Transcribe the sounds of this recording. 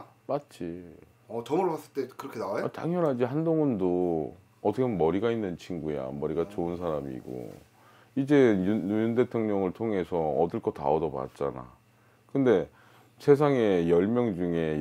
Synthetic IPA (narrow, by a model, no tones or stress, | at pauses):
mat̚t͡ɕ͈i | ʌt͡ɕʌmʌɾpas͈ɯɭt͈ekɯɾʌkʰenaajota̰ŋɲʌnɦad͡ʑihandoŋɯndo | ʌt͈ʰʌkʰenmʌɾiɡainːɯnt͡ɕʰiŋɡuea̰mːʌɾiɡat͡ɕoɯnsʰaɾamḭɡo̰ | id͡ʑe̞uunde̞tʰoŋɲʌŋɯɭtʰoŋe̞sʰʌʌdɯɭk͈ʰʌta̰odʌba̰t̚t͡ɕ͈ana̰ | kɯnde̞ | sʰe̞s̬ʰaŋe̞jʌɭmjʌŋd͡ʑuŋe̞